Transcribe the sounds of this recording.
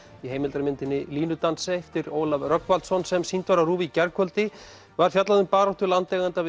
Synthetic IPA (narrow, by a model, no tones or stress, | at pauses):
iɦeːjmɪlt̪aɾmɪnt̪ɪnːɪliːnʏt̪ansɛɛft̪ɪɾoːwlavrœkvalt̪sɔnsɛmsint̪vaɾaruːvicɛɾkʰœlt̪ɪ | vaɾ̥fjat̪laðʏmpaːɾɔht̪ʏlant̪lejɣant̪avɪ